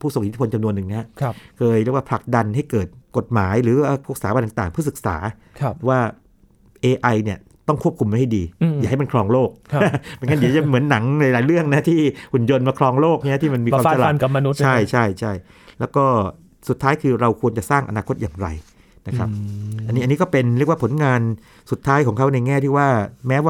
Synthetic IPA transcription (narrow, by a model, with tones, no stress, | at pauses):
pʰuː˥˩su˨˩ŋʔi˩t̪ʰipʰo˧nt͡ɕa˧mnu˧ənːɯ˨˩ŋnɛ˦˥ha˦˥˧kʰɤː˧jɾi˥˩kwa˥pʰa˨˩k̚da˧nɦa˥˩jkɤː˨˩t̪̚ko˨˩t̪̚maː˩˦jɾɯː˩˦ʔaː˧˩pʰksaː˨˦a˧nt̪a˨˩ŋt̪aː˨˩ŋpʰɯ˥˩sɯ˨˩k̚sa̰ː˩˦˧ | waː˥˩ | ʔeː˧ʔa˧jni˥˩ɐ | t̪ɔ˥˩ŋkʰu˥˩əp̚kʰu˧mːa˥˩jha˥˩jdiː˧jaː˨˩kha˥˩jma˧nkʰɾɔː˧ŋloː˥˩k̚ma˧nka˦˥˩di˧˦˩t͡ɕa˧m˩˦nːa˩˦ŋla˧˦jlaː˨˦jɾɯ˥˩əŋna˦˥t̪ʰiː˥˩ʔu˨˩njo˧nmaː˧kʰɾɔː˧ŋloː˥˩k̚ːt̪iː˥˩ma˧nmi˧kːa˧˥˧sa˧la˨˧nka˨˩ma˧nu˦t͡ɕʰa˥˩jt͡ɕʰa˥˩jt͡ɕʰa˥˩j | lɛː˦˥wkɔː˥˩ | su˨˩t̪ʰːaː˦˥jkʰɯː˧ɾa˧wkʰu˧ənt͡ɕa˨˩saː˥˩ŋʔa̰˧naː˧kʰo˦˥t̪̚jaː˨˩ŋɾa̰˧j | na˦˥kʰɾa˦˥p̚a˧nːiː˦˥a˧nːi˦˥kɔː˥˩pe˧nɾi˥˩ək̚waː˥pʰo˩˦nŋaː˧n | su˨˩t̪ʰːaː˦˥jkɔː˩˦ŋkʰa˦˥wna˧jŋɛː˥˩t̪ʰiː˥˩waː˥˩mɛː˦˥waː˥˩